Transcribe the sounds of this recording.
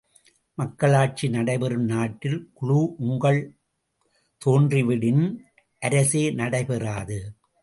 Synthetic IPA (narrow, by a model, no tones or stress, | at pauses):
mɐkːɐɭaːʈ̚t͡ʃinɐɽɐɪpɐɾɯmnaːʈːɪlkʊɻuːʔʊŋɡɐɭ | t̪oːndrɪʋɪɽɪn | ʔɐɾɐseːnɐɽɐɪpɐraːðɯ